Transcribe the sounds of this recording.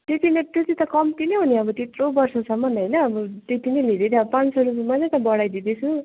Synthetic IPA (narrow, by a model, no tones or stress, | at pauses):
t̪et̪inet̪jot̪it̪ʌkʌmt̪ineɦuniʌbʌt̪it̪robʌrsʌsʌmːʌnɦʌjnʌːbʌt̪et̪ineled̪et̪iʌbpãnt͡sʌɾupmad͡zʌt̪ʌbʌɽajd̪id̪et͡sʰu